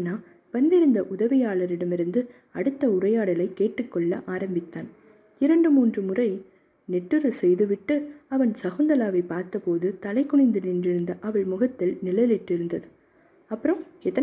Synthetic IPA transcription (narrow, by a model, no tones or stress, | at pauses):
nːaː | ʋɐnd̪ɪɾɯnd̪ɐʔʊðɐʋɪjaːɭɐɾɪɽɐmɪɾɯnd̪ɯ | ɐɽɯt̪ːɐʊɾɐjaːɽɐlɐɪkːeːʈːɯkːɔɭːɐ̰ʔaːɾɐmbɪt̪ːaːn | ɪɾɐɳɖɯmuːndrɯmʊrɐɪ | nɛʈːɯɾɐsɛjðɯʋɪʈːɯɐʋɐnsɐɣoːnd̪ɐlaːʋɐɪpːaːɾt̪ɐpoːðɯt̪ɐlɐɪkːɔɳɪnd̪ɯnɪndrɪɾɯnd̪ɐʔɐʋɐɭmʊɣɐt̪ːɪlnɪɭɐjlɪʈːɪɾɯnd̪ɐðɯ | ɐpːɯɾɐmɛt̪ːɐ